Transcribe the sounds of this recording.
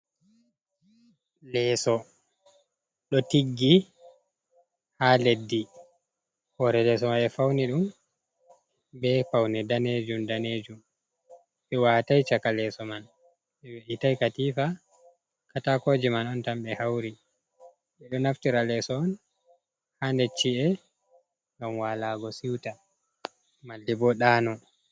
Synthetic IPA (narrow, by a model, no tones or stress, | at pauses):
lɛːsɔ | ɗɔtiɡːi | haːledːi | hɔɾɛlɛs̬ɔmaɛfawniɗum | bɛfawnɛdaneːd͡ʒumdaneːd͡ʒum | ɓɛwaːtajt͡ʃakalɛːsɔman | ɛwʔitajkatiːfa | katakod͡ʒimanɔntamɓɛhawɾi | ʔɛɗɔnaftiɾalɛsɔɔn | handɛt͡ʃːiɛ | ɗamwalaːɡɔsiwta | malːibɔɗaːnɔn